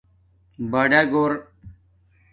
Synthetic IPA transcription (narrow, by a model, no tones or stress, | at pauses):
baɖaɡoːɾ